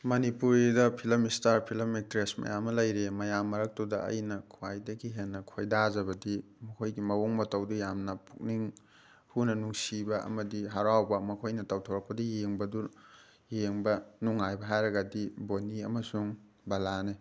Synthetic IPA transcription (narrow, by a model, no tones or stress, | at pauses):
mɐnipuɾidɐpʰilɐmistaɾpʰilɐmik̚tɾesmɐ̰jamːɐlɐjɾemɐjamːɐɾɐk̚tudɐɐ̰jnɐkʰuwajdɐɡiɦenːɐkʰojdaazɐbɐdi | mɐkʰojɡimɐwoŋmɐtɐwdujamnɐpʰuk̚niŋ | hunɐnuŋsibɐɐ̰mɐdiɦaɾawbɐmɐkʰojnɐtɐwtʰowɾɐk̚pɐdijeŋbɐdu | jeŋbɐnuŋajbɐɦajɾɐɡɐdiboniɐmɐsuŋ | balane